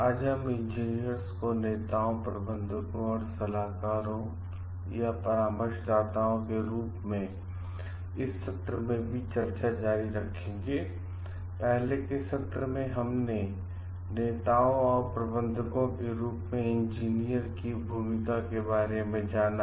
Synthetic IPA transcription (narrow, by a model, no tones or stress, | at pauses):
aːd͡ʒəmɪ̃ɲd͡ʒiːnijəɾskoneːt̪aːõpɾɐ̰bə̃nd̪ʱəkõɔːɾsɐlaːkaːɾõ | japɐɾaːməɾʃd̪aːt̪aːõkeɾuːpmẽ | ɪsːɐt̪ɾəmẽbʱit͡ʃɐɾt͡ʃad͡ʒaːɾiɾɐkʰẽːŋɡeː | pɛɦlekɪsɐt̪ɾəmẽɦɐmne | neːt̪aːõɔːɾpɾɐbə̃nd̪ʱəkõkeɾuːpmẽɪ̃nd͡ʒiːnijəɾkibʱuːmɪkakebaːɾemẽd͡ʒaːna